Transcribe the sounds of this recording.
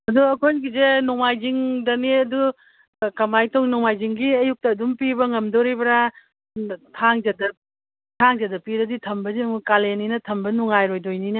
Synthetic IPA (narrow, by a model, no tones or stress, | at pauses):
ɐduɐkʰojnɡizenuŋmajziŋdɐneɐdu | kɐmajtoŋnuŋmajziŋɡiɐjuk̚tɐːdumpibɐŋɐmdoɾibɐɾa | tʰaŋzɐdɐ | tʰaŋzɐdɐpiɾɐditʰɐmbɐzimkaleninɐtʰɐmbɐnuŋajɾojdojninɐ